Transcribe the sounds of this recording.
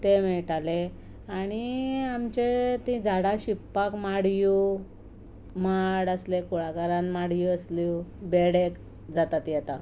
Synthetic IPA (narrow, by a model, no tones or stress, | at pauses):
t̪emɛɭʈale | aɽ̃iamt͡ɕet̪ĩd͡zʱaɽaɕipːakmaɽju | maɽəslekuɭaɡaɾãnmaɽjuəslubeɽek | d͡zat̪at̪jɛt̪a